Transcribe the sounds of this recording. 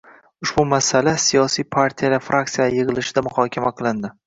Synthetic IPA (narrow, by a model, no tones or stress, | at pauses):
ʊʃbʊmasalasijɒsijpʰaɾt̪ʰijalaɾfɾʔak̚t̪sijajeʁɨlɪʃɪd̪amʊχɒkʲʰamaqʰɨlˠɪnd̪ɪ